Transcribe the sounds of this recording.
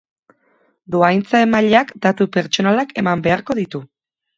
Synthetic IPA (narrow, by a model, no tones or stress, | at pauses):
d̪uajnt͡saemaʎakd̪at̪upe̞ɾt͡ʃo̞nalake̞mambe̞aɾko̞ðit̪u